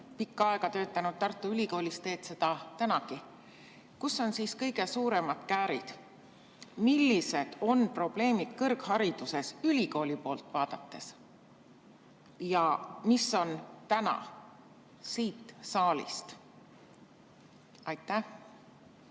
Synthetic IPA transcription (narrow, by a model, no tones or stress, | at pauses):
pikːɑɑeɡɑt̪ø̞ːt̪ːˑɑnud̪̥̚t̪ɑrt̪ːˑuylʲiko̞ːlʲist̪e̞ːt̪se̞d̪̥ɑt̪ænɑki | kusːo̞nsiːskɤjɡe̞suːɾe̞mɑd̪̥kæːɾḭd̪̥ | milːise̞d̪̥o̞npro̞b̥le̞ːmid̪̥kɤrɡhɑɾid̪̥use̞sylʲiko̞ːlʲipo̞ːlt̪ˑvɑːd̪̥ɑt̪ːe̞s | jɑmisːo̞nt̪ænɑ̰ | siːt̪ˑsɑːlḭst̪ | ɑjt̪ˑːæh